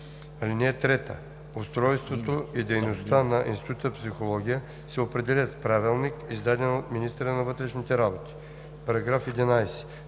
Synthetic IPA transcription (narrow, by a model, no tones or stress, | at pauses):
alinɛɛt̪ɾɛt̪ə̰ | ost̪ɾɔjst̪vot̪oid̪ɛjnost̪anɐʔḭnst̪it̪ut̪əpsixolˠɔɡʲijə | sɛopɾɛd̪ɛlʲət̪spɾavilˠnikizd̪ad̪ɛnot̪minist̪əɾənɐvɤt̪ɾɛʃnit̪ɛɾabot̪i̥ | pɐɾɐɡɾafɛd̪inajsɛ̥